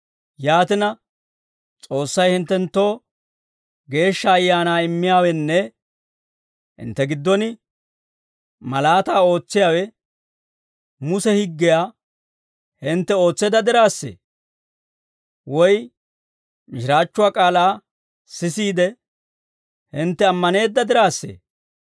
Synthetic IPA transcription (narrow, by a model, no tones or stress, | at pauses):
jaːt̪ɪnɐ | t͡sʼo̞ːsːɐjhɪnt̪ːɛnt̪ːo̞ː | ɡe̞ːʃːɐːjːaːnaːɪmːɪjaːwɛnːɛ | hɪ̰nt̪ːɛɡɪd̪ːɔnɪ | mɐlaːt̪aːo̞ːt͡sːɪjaːwɛ | mʊsɛhɪɡːɪjaː | hɪnt̪ːɛo̞ːt͡sːɛd̪ɐd̪ɪɾaːsːḛː | wɔj | mɪʃɪɾaːt͡ʃːʊwaːkʼaːlaː | sɪsiːd̪ɛ | hɪnt̪ːɛɐmːɐne̞ːd̪ːɐd̪ɪɾaːsːḛː